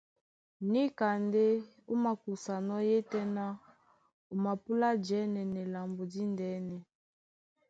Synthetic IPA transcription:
ni˦ka˨nde˦ | u˦ma˨ku˨sa˨nɔ˦je˦tɛ˦na˦ | u˨ma˨pu˦la˦d͡ʒɛ˨˦nɛ˨nɛ˨la˨mbo˨di˦ndɛ˨˦nɛ˨

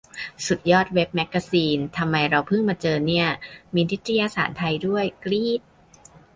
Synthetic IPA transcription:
su˨˩t̪̚jɔː˥˩t̪̚we˦˥p̚mɛ˦˥kːa˧siː˧nt̪ʰa˧mːa˧jɾa˧wpʰɯ˥˩ŋmaː˧t͡ɕɤː˧ni˥˩ɐmiː˧ni˦˥t̪ɾa˧jaː˧sa̰ː˩˦nt̪ʰa˧jdu˥˩əjkɾiː˥˩t̪̚

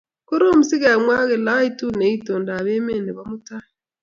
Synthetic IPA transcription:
ko˦ɾo˦mu˨si˦ɣa˨a˨mwa˦ɣe˨la˦i˦tu˦ne˨˦i˦to˨nda˨βe˦me˦˨ne˨βa˦mu˦ta˦

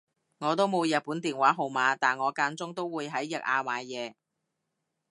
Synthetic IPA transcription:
ŋɔː˨˧t̪o˥wmo˨˧wjɐ˨t̚puː˨˥nt̪iː˨nwaː˨˥ɦo˨˩wmaː˨˧t̪aː˨˩nŋɔː˨˧kaː˧nt͡sʊ˥ŋt̪o˥wwuː˨˧jɦɐ˨˥jːɐ˨k̚aː˧maː˨˧jjɛː˨˧

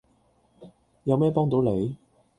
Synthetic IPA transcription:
jɐ˨˧wmɛː˥˩pɔː˥ŋt̪o˨˥wle˨˧j

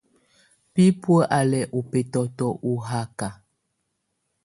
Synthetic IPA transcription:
pi˦pwə˦ʔa˨lɛ˨ʔu˨pe˨tɔ˨tɔ˦ʔu˨ɦa˦ka˨

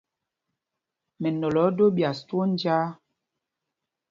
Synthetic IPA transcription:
mɛ˨nɔ˨lɔ˨˦do˦bja˨stwo˦n˦d͡ʒaː˦

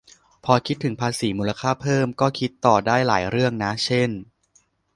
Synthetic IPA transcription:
pʰɔː˧kʰi˦˥t̪ʰːɯ˩˦ŋpʰaː˧siː˩˦muː˧la˧kʰaː˥˩pʰɤː˥˩mkɔː˥˩kʰi˦˥t̪ːɔː˨˩daː˥˩jlaː˩˦jɾɯ˥˩əŋna˦˥t͡ɕʰe˥˩n

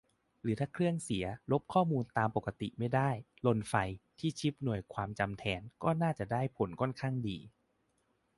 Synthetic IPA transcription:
ɾɯː˩˦t̪ʰaː˥˩kʰɾɯ˥˩əŋsi˩˦ɐlo˦˥p̚kʰɔː˥˩muː˧nt̪aː˧mpo˨˩kːa˧t̪ḭ˨˩ma˥˩jdaː˥˩jlo˧nfa˧jt̪ʰiː˥˩t͡ɕʰi˦˥p̚nu˨˩əjkʰwaː˧mt͡ɕa˧mt̪ʰɛː˧nkɔː˥˩naː˥˩t͡ɕa˨˩daː˥˩jpʰo˨˩˦nkʰɔ˥˩˨nkʰaː˥˩ŋdḭː˧

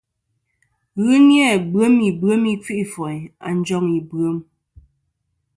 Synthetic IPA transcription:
ɣɨ˦njɛ˦˨bɰə˨˦mi˨bɰə˨˦mi˦p͡fi˦ʔi˦˨fɔ˨ja̰˨n̩˦d͡ʒɔ˦ŋi˨bɰə˨˦m

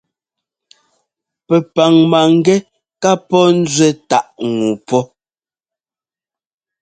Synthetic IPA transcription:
pɛ˨pa˨ŋma˨ŋ̩˦ɡɛ˦ | ka˦pɔ˦n̩˦d͡zɥɛ˦ta˦˨ʔŋu˨pɔ˦

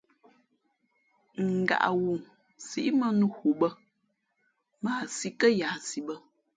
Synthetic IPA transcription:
ŋ̩˨ɡa̰˨ʔa̰˨wu˨ | si˨˦ʔmə˦nu˦hu˨bə˦ | maː˦˨si˨kə˦jaː˨si˨bə˦

